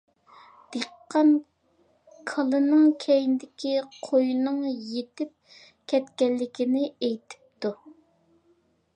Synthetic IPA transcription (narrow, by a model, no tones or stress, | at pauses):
d̪̥eqːɑn | kʰɑlˠɨnɨŋkʲʰɛjind̪ɪkʲʰiqʰojnɨŋjet̪ɪp̚ | kʲʰɛt̪kʲɛllːɪkʲɪnɪejt̪ʰɪ̥p̚t̪u